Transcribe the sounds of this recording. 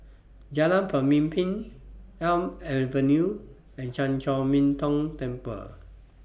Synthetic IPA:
d͡ʒalãnpʰəmĩmpʰĩnɛlmɛvənu | ɛ̃nt͡ʃãnt͡ʃɔmĩnt̪ɔ̃ŋt̪ɛ̃mpə̰

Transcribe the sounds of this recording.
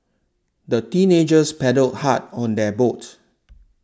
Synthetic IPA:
dətĩned͡ʒəspɛdəlt̚hat̚ɔ̃ndɛbot

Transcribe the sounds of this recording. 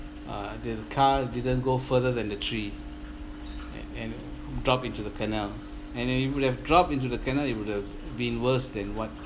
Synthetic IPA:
a̰dɛdəkʰadidə̃nɡofədədɛ̃ndətʰɹi | ɛ̃n | dɹɔpĩntudəkʰanɛl | ɛ̃nɛjiuwud̚hɛvdɹɔp̚ĩnt̬udəkɛnɛlit̚wud̚hɛv | bĩnwəsdɛ̃nwɔt̚

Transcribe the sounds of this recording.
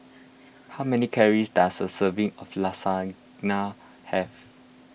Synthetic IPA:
haʊmɛnikʰɛɹisdasəsəvĩŋɔflasa | na | hɛf

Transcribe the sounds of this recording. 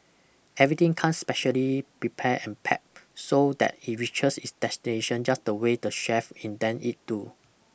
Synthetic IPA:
ɛvɹit̪ĩŋkʰãnspɛʃəlipɹipʰɛʔɛ̰̃npʰɛ̰p̚sodɛ̰tit̚ɹit͡ʃəsitsdɛstineʃə̃nd͡ʒasdəwedəʃɛfɛ̃ndɛ̃nʔit̚tu

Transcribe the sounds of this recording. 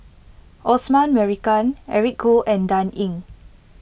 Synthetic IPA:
ʔɔsmãnmɛɹikãnɛ̰ɹik̚ɡoʔɛ̃ndãnĩŋ

